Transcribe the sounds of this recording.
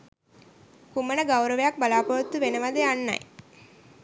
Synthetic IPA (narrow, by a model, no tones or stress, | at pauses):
kumənəɡawɾəʋejak̚balaːpoʋət̪ːuʋenəʋad̪eanːa̰j